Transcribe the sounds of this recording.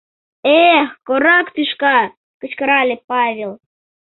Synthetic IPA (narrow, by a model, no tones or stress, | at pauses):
exkoɾɑkt̪yʃkɑ | kə̆t͡ɕkə̆ɾɑlʲepɑβʲelˠ